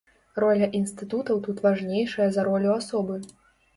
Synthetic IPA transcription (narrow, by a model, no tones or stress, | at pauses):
rɔlʲɐʔinst̪ɨt̪ut̪ɐwt̪ut̪vaʐnʲejʂɐjɐzɐɾɔlʲuasɔbɨ